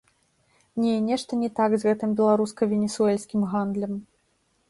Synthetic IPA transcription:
nʲɛnʲɛʂt̪ɐnʲɛt̪aɡzɣɛt̪ɨmbʲɛlˠaɾuskɐvʲɛnʲɛsuɛlʲsʲkʲimɣand̪lʲɐm

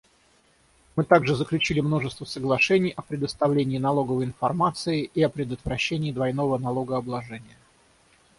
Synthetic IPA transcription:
mɨt̪aɡʐɨzəklʲʉt͡ɕilʲɪmno̞ʐɨst̪vəsəɡlˠɐʂɛnʲɪjʔɐpɾʲɪd̪əst̪ɐvlʲenʲɪːnɐlˠo̞ɡəvəjɪnfɐrmat̪sɨɪʔiɐpɾʲɪd̪ət̪vɾɐɕːenʲɪːd̪vɐjno̞vənɐlˠo̞ɡəɐblˠɐʐɛnʲɪjə

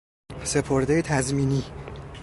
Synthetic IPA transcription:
se̞pʰo̞ɾd̪ejet̪ʰæzmiːniː

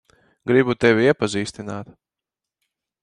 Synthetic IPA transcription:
ɡɾibut̪ɛvʲiiɛpaziːst̪inaːt̪

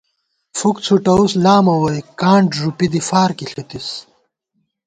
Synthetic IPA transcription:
fukt͡sʰuʈɐuslaːmɐwɐjkaːɳɖʐupid̪ifaːɾkiɬit̪is

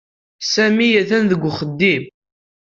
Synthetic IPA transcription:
sæmijæθænðəɡʷːχəd̪ːim

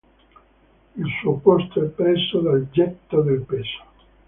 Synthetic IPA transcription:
ilsuopɔst̪oɛpːɾɛsːod̪ald͡ʒɛt̪ːad̪elpeːso̥

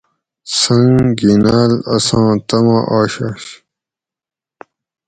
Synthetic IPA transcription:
sɐŋɡinaːlɐsãːt̪ɐmãːʔaːɕaːɕ

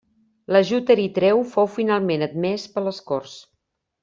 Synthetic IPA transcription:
ləʒut̪əɾit̪ɾɛwfowfinalˠmenəd̪mɛspəlˠəskors

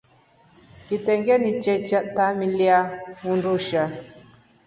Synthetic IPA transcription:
kit̪eŋɡenit͡ʃet͡ʃat̪amiljaunduʃa

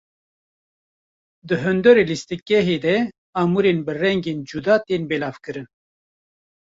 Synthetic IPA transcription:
d̪ɨɦɨnd̪ɔɾelist̪ɨkːɛɦeːd̪ɛ | aːmuɾenbɨrɛŋɡeːnd͡ʒud̪ɑːt̪eːnbɛlaːvkɨɾɨn

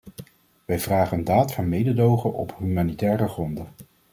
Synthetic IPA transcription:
ʋɛjv̥raːχəndaːtfɑnmejdədowχənʔɔ̰pɦymaːnitɛːrəχrɔndə

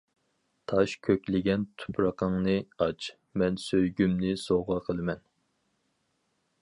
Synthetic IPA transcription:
t̪ʰɑʃkʲʰøkʲlɪɡʲɛnt̪ʰu̥pʰɾɑqʰəŋnɨɑt͡ʃʰ | mɛnsøjɡʲymnɪsoʁɑqʰəlˠɨmɛn

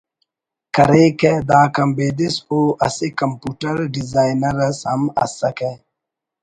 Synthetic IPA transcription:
kɐɾeːked̪aːkɐmbeːd̪isoːʔɐ̰sekɐmpuːʈɐɾɖizaːjnɐɾɐsɦɐmɐ̰sɐke

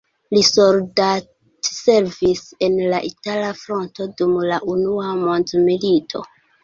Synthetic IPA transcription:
lisolda | tse̞ɾvise̞nlaʔitalafɾo̞nto̞dumlaʔunuamo̞ndmilitʰo̞̰

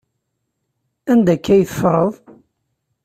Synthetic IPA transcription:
ænd̪ækːæjθə̥fɾˤəðˤ

